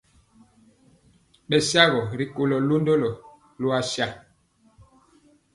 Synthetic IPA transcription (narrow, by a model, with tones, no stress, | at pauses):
ɓɛ˨sja˦ɣɔ˨ɾi˨ko˨lɔ˨lu˦ndo˦lɔ˨ | lu˦a˦sja˦˨